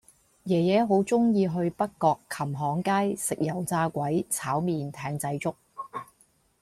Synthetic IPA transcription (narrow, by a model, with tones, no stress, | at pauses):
jɛː˨˩jɛː˨˥ɦo˨˥wt͡sʊ˥ŋjiː˧ɦɵ˧ɥpɐ˥kkːɔː˧kʰːɐ˨˩mɦɔː˨˥ŋkaː˥jsɪ˨k̚jɐ˨˩wt͡saː˧kʷɐ˨˥jt͡sʰaː˨˥wmiː˨nt̪ʰɛː˧ŋt͡sɐ˧jt͡sʊ˥k̚